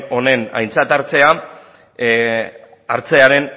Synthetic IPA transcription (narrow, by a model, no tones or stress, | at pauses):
o̞ne̞na̰jnt͡sat̪aɾt͡se̞a | a̰ɾt͡se̞aɾe̞n